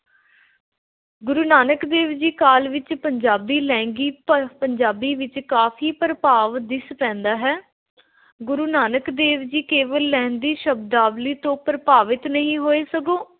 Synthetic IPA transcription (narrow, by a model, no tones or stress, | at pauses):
ɡʊɾuːnaːnəkd̪eːʋd͡ʒiːkaːlʋɪt͡ʃpəɲd͡ʒaːbiːlɛ̃ːŋɡiːpəɲd͡ʒaːbiːʋɪt͡ʃkaːfʰiːpɾpaːʋd̪ɪspɛ̃ːnd̪aːɦɛː | ɡʊɾuːnaːnəkd̪eːʋd͡ʒiːkeːʋəlːɛ̃ːnd̪iːʃəb̚d̪aːʋliːt̪õːpɾəpaːʋɪt̪nəɦĩːɦoːeːsəɡoː